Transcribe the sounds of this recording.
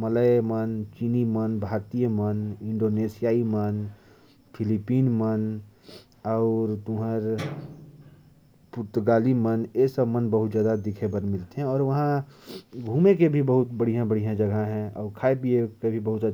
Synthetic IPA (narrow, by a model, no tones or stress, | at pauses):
mələemənt͡ʃinimənbʱaːɾt̪ijəmənɪ̃ɳɖoːneːsijaːimən | pʰɪlipiːnmən | ɔʊɾt̪ʊɦəɾ | pʊɾt̪ɡaːlimənesəbmənbəɦʊt̪d͡ʒjaːd̪ad̪ɪkʰebənmɪlt̪eɦɛ̃ɔːɾʋɐɦã | ɡʱuːmekebʱibəɦʊt̪bəɽ̤ijãbəɽ̤ijãd͡ʒəɡʱaɦɛ̃ɔːɾkʰaːepiekebʱibəɦʊt̪